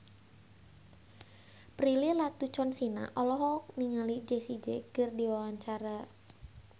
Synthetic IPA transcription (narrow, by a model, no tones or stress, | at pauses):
pɾililat̪ut͡ʃɔnsina̰ʔɔlɔɦɔkniŋalid͡ʒesid͡ʒeɡ̥ərdiwawaɲt͡ʃaɾa